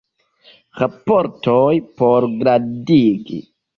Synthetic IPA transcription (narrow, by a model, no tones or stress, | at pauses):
ɣapoɾtojpoɾɡɾadiɡḭ